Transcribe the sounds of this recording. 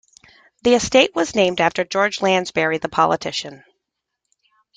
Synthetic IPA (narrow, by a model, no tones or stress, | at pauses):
ðiɨsteɪʔ̚wʌznẽɪ̃mdæftə˞d͡ʒɔɹd͡ʒlæ̃nzbɛɹiðəpʰɑ̰lˠə̰tʰɪʃɨ̃n